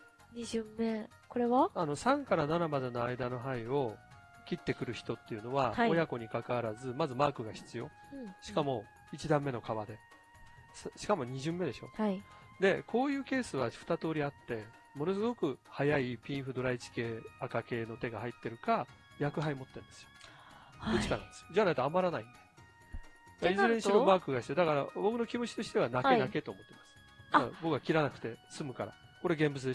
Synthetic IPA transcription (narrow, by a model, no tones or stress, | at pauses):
ɲiʑɨmːe | ko̞ɾeβaano̞sãŋkaɾananamad̪e̞no̞aid̪ano̞ɦaio̞ | kʲit̪ːe̞kɯ̟ɾɯ̟çi̥t̪o̞t̪ːe̞iɯ̟no̞βaho̞jako̞ɲ̟ikakaβaɾazɨmazɨmaːkɯ̟ɡaçi̥t͡sɨjo̞ | ɕi̥kamo̞ | it͡ɕid̪ãmːe̞no̞kaβad̪e̞ | sɕi̥kamo̞ɲ̟iʑɨ̃mːe̞d̪e̞ɕo̞hai | d̪e̞kʰo̞ːjɯ̟ːke̞ːsɨβaɸɯ̥t̪at̪o̞ːɾʲiat̪ːe̞ | mo̞no̞s̬ɨɡo̞kɯ̟hajaipʲĩɰ̃ɸɯ̟d̪o̞ɾait͡ɕi̥ke̞ːakake̞ːno̞t̪e̞ɡahait̪ːe̞ɾɯ̟ka | jakɯ̟ɦaimo̞t̪ːẽnd̪e̞sɨjo̞̥ | ɯt͡ɕikana̰nd̪esɨjod͡ʑanait̪oamaɾanaĩnd̪e | maizɨɾeɲiɕimomakɯ̟ɡaɕi̥t̪ed̪akaɾabo̞kɯ̟no̞kʲimoɕi̥t̪o̞ɕi̥t̪e̞βanakkenake̞t̪oːmo̞t̪ːe̞masɨ̥ | bo̞kɡakʲiɾanakɯ̟̥t̪e̞sɨmɯ̟kaɾa̰ | ko̞ɾe̞ɡẽ̞mbɯ̟t͡sɨd̪e